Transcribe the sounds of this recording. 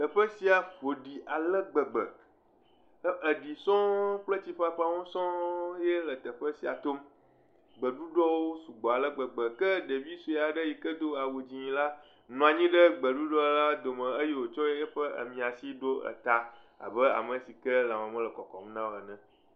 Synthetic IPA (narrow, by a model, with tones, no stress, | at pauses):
lə˨ɸə˦si˦a˨ɸo˨ɖi˨ʔa˨lə˦ɡ͡bə˨ɡ͡bə˨˦ | ʔə˨ɖi˨sɔ̃˦k͡plə˦t͡ɕi˦ɸa˦ɸa˦wo˦sɔ̃˦je˦lə˨t̪ə˨ɸə˦si˨a̰˨t̪o˦m | ɡ͡bə˨ɖu˦ɖɔ˦wo˦su˨ɡ͡bɔ˨a˨lə˦ɡ͡bə˨ɡ͡bə˨kə˦ɖə˨vi˦su˨ja˨ɖə˦ji˨kə˦d̪o˦a˨wo˨d͡ʑĩ˦la˦ | nũ˨a˨ɲĩ˦ɖə˦ɡ͡bə˨ɖu˦ɖɔ˦la˦d̪o˨mə̃˨ə˦je˦˨wo˨t͡ʃɔ˦je˦je˦ɸə˦ə̰˨mĩ˨a˨si˦ɖo˦ə̰˨t̪a˦ | a̰˨bə˦a̰˨mə˨si˨kə˦la˨mã˨mə̃˦lə˨kɔ˨kɔ̰˨m˦nã˦wo˦˨ə˨nɛ̃˦